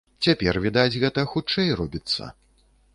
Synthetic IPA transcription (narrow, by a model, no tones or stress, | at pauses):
t͡sʲapʲɛrvʲid̪ad͡zʲɣɛt̪ɐxut͡ʂɛjrɔbʲit̪sːɐ̰